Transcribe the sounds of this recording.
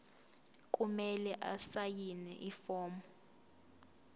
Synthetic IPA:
kʼumɛlɛʔasajinɛʔifɔːmbɔ

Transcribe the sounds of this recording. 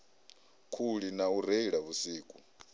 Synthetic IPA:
kʰuɺinauɾeiɺaβusiːkʼu

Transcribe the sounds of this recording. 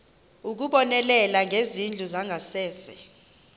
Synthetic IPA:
uk̬uɓɔnɛlɛlaŋʱezind͡ɮʱuzaŋɡʱasɛːsɛ

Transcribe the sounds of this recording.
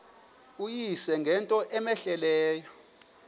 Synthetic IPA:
ujisɛŋɡʱɛntʼɔʔɛmɛɬɛlɛːjɔ

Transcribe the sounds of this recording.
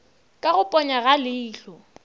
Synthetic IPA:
kʼaɣʊpʼɔɲaɣalɪːɬɔ

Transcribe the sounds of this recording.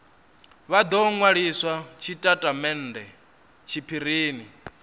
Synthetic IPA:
βad̪ɔŋwaɺiswat͡ʃʰitʼatʼamɛn̩dɛ | t͡ʃʰipʰiɾ̤iːni

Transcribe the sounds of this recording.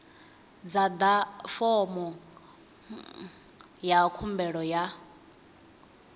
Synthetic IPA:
d͡zad̪afɔmɔ | jakʰumbɛɺɔja

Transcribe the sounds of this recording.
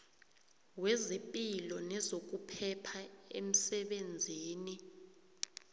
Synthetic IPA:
wɛzepʼilɔnɛzok̬upʰɛpʰaḛm̩sɛɓend͡zʱiːni

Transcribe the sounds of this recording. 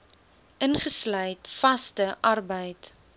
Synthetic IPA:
ʔənχəslœjtfɐstəʔɐrbəjt

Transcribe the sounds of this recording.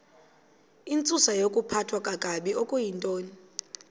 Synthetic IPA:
int͡sʼusajokʼupʰatʰwakʼakʼaɓiɔkʼujintʼoːni

